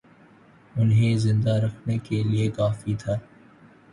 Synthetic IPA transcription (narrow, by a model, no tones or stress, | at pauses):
ʊnɦẽzɪ̃nd̪aɾɐkʰnekeliekaːfit̪ʰaː